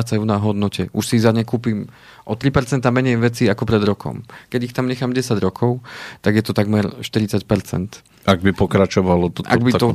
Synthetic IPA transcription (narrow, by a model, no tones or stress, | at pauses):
t͡sajunaɦɔd̪nɔcɛʔuʃsizaɲɛkuːpiːm | ʔɔt̪ɾipɛɾt͡sɛnt̪amɛɲɛjʋɛt͡siːakɔpɾɛd̪ɾɔkʰɔ̰mkɛɟixt̪amɲɛxaːmɟɛsaɟɾɔkʰɔʊt̪aɡjɛt̪ɔt̪aɡmɛɾʃt̪iɾit͡sacpɛɾt͡sɛ̰nt̪ | aɡ̚bipɔkɾat͡ʃɔʋalɔʔa̰ɡ̚biɔ